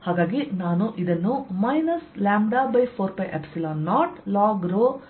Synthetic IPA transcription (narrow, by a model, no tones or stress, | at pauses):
haːɡaːɡinaːnuʔid̪ɐnːumɐjnɐslaːmbɖaːbɐjpʰoːɾpejʔepsilaːnːaːɾʈlaːɡɾoː